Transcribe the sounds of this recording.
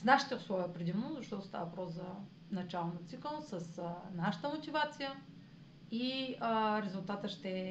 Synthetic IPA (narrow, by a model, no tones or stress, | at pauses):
snaʃi̥t̪ɛʊslˠɔviopɾɛd̪imnozɐʃt̪ɔt̪o̥st̪a̰vəvɐpɾɔszɐ | nɐt͡ʃalˠnot̪sikəlˠsəsnaʃə̥t̪əmot̪ʲivat̪sijə | iəɾɛzʊlˠt̪at̪əʃt̪ɛ